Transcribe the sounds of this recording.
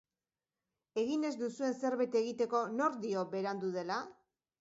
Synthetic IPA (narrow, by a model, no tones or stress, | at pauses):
e̞ɣine̞zd̪usue̞nse̞ɾβejt̪eɣit̪e̞ko̞no̞ɾd̪io̞be̞ɾand̪uð̞e̞la